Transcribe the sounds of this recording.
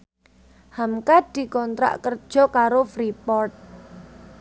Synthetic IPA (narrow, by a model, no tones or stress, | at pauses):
hamkad̪̥i̤kɔnt̪ɾa̰ʔkərd̥ʒ̥ɔ̤kaɾofɾipɔrt̪̚